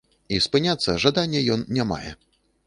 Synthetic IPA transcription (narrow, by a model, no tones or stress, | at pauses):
ispɨnʲat̪sːɐʐad̪anʲːɛjɔnːʲama̰jɛ̰